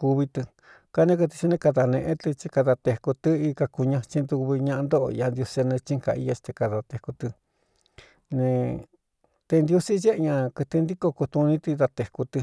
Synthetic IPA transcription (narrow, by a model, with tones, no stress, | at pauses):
ku˧βi˧t̪ɨ˧ | ka˧nẽ˦kɨ˧t̪i˧t͡ʃi˧nẽ˧ka˧ða˧nẽ˧ʔẽ˦t̪ɨ˧t͡ʃi˧ka˧ða˧t̪e˧˨ku˧t̪ɨ˦i˧ka˧ku˧ɲã˧t͡ʃi˧nd̪u˧βi˧ɲã˧ʔnd̪o˦ʔja˧nd̪jo˧snẽ˧t͡ʃi˦˧ŋka̰˧ḭ˧ja˧st̪e˧ka˧ða˧t̪e˧ku˧t̪ɨ˧ | nẽ˧ | t̪e˧nd̪ju˧si˦je˦ʔɲã˧kɨ˧t̪i˧nd̪i˦ko˧ku˧t̪u˧nĩ˧t̪i˧ða˧t̪e˨ku˧t̪ɨ˧